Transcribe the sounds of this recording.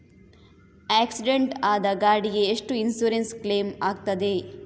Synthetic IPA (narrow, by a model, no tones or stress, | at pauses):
æːksiɖeɳʈaːd̪ɐɡaːɽiɡe̞ːʂʈuinsuːɾenskle̞ːmaːɡ̚t̪ɐd̪e̞